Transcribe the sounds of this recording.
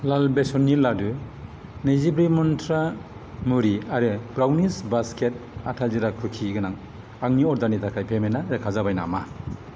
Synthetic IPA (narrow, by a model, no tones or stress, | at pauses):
lalbesɔnːiladɯ | nejzibɾimɔntʰɾa | muɾiaɾɯbɾawnisbasket̚atʰaziɾakʰɯkʰiɡɯnaŋ | aŋniɔɾdanitʰakʰajpʰemenaɾɯkʰazabajna̰ma